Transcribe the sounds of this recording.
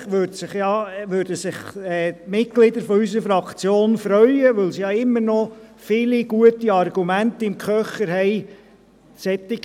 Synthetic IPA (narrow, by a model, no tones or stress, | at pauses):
ʋøɾdsɪχjɑʋøɾd̥əsɪχɛːmɪtɡ̥lɪd̪əɾfɔysəɾfɾɑkʰt͡sjoːnfɾœʏəʋɵlsijɑɪmːəɾnɔfɪliɡ̥uətiɑrɡ̥umæntɪmkʰœχəɾɦɛɪ | sɛt̪ːɪ